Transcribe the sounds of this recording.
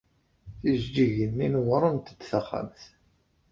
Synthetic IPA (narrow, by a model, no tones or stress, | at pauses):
θiʒd͡ʒiʝənːinəwɾˤənt̪əd̪θaχa̰mθ